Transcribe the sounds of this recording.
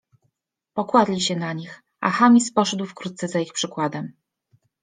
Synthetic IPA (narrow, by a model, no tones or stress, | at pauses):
pɔkwad̪lʲiɕɛnaɲix | a̰xamʲispɔʂɛd̪wfkɾut̪̚t̪sɛzaixpʂɘkwad̪ɛm